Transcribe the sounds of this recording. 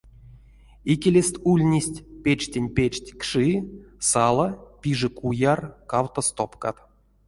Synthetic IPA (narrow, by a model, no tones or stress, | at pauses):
ikʲelʲesʲt̪ʲulʲnʲisʲtʲpʲet͡ʃtʲenʲpʲet͡ʃtʲkʂɨsalˠapʲiʐɨkujarkawt̪ost̪opka̰t̪